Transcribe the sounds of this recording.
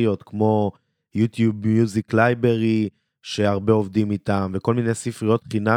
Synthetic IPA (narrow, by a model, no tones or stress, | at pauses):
ijo̞t̪kmo̞ | jut̪jubmjuziklajbeʁi | ʃe̞aʁbeovd̪imit̪amve̞ko̞lminejsifʁijo̞t̪χina